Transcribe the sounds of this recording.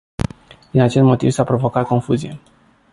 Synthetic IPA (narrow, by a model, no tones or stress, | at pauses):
d̪inat͡ʃe̞st̪mo̞t̪ḭvsapɾo̞vo̞kat̪̚ko̞nfuzije̞